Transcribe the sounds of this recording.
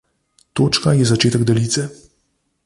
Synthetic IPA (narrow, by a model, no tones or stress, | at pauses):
t̪oːt͡ʃkajɛzat͡ʃeːt̪ɛɡd̪ɛliːt̪sɛ